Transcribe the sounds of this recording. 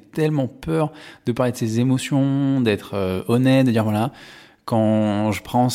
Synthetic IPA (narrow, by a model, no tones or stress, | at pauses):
t̪ɛlmɑ̃pœʁd̪̥əpaʁled̪əsezemɔsjɔ̃d̪ɛt̪χøɔnɛt̪̚d̪əd̪iʁvwala | kɑ̃ʒəpχɑ̃